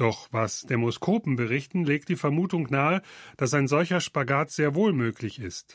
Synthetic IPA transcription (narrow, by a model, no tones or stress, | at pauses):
d̥ɔχvasd̥emoskʰoːpm̩bəʁɪçtn̩leːk̚t̚d̥iːfɛɐmuːtʊŋnaːəd̥asaɪnzɔlçɐʃpaɡaːtz̥eːɐvoːlmøːklɪçɪst